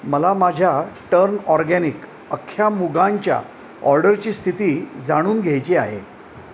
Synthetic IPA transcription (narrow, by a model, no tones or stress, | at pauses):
məlamad͡ʑʱjaʈəɾnɔɾɡænik | əkʰːjamuɡaɲt͡ɕja̰ | ɔ̰ɾɖəɾt͡ɕiːst̪ʰit̪iːd͡zaɽ̃uːnɡʱejt͡ɕia̰ɦḛ